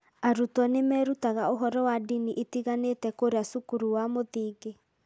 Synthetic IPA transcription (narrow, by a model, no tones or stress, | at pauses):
aɾutɔnemɛːɾutaɣaoɦɔɾɔwadiniʔitiɣanetɛkoɾeasukuɾuwamoðiːɣe